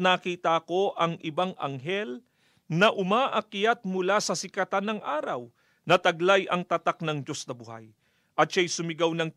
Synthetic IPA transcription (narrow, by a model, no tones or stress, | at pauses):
naːkiːt̪ɐko̞ʔɐŋʔɪbaŋɐŋɦɛl | nɐʔʊmaːʔɐkjat̪̚mʊlasɐsɪkɐt̪anːɐŋʔaːɾɐw | nɐt̪ɐɡlajʔɐŋt̪ɐt̪ak̚nɐŋd͡ʒo̞snɐbʊha̰j | ʔɐt̪̚ʃajsʊmɪɡawnɐŋ